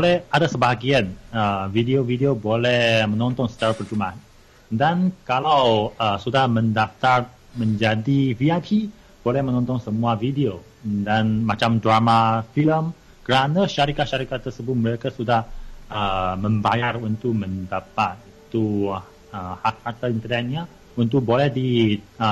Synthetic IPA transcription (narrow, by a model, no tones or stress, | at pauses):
bolɛhʔadasəbaɦaɡianəvideovideobolɛhmə̃nɔnt̪ɔŋsə̥t͡ʃarpərt͡ʃumaan | dankalawəsudahmə̃ndaft̪ar | mə̃ɲd͡ʒadiviapʰi | b̥olɛhmə̃nɔ̃nt̪ɔŋsəmuavidio | danmat͡ʃamdramafiləm | kəɾanaʃaɾikaʔʃaɾikat̪ːərsəbʊt̪̚məɾekasudahəmə̃mbajarunt̪uʔ̚mə̃ndapat̪̚it̪u | əhat̪̚hat̪aint̪ərnɛt̪̚ɲa | unt̪uʔ̚bolɛhdiə